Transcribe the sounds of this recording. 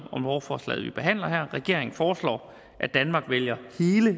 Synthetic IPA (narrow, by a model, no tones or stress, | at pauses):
ɒ̽mʋɒfɒːslɛ̰ːðˠʋib̥e̝ɦæn̰lɐɦæɐ̰ʁɛɡ̥e̝ɐ̰eŋn̩fɒːslɒ̰ː | ʔæd̥ænmɑ̈ːɡ̥ʋeljɐhe̝ːlə